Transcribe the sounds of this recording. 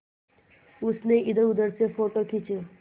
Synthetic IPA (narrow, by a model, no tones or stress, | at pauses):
ʊsneɪd̪əɾʊd̪əɾsefoːʈokʰit͡ʃe